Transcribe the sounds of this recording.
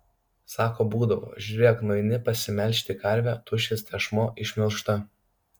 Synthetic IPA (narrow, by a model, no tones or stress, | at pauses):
sɑːkoːbuːd̪ɐʋo̰ːʒʲʊɾʲeɛknɔɪnʲɪpɐsʲɪmʲɛlʲʃʲt̪ʲɪkɐɾʲʋʲæːt̪ʊʃʲest̪ʲɛʃmoːʔɪʃʲmʲɪlˠʃt̪ɐ